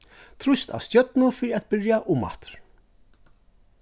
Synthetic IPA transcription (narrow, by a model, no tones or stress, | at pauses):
t̪ʰɾʊst̪a̰wst̪jœt̪nʊfɪːɾɪat̪̚bɪɹjaʔʊmːa̰ht̪ɾ̥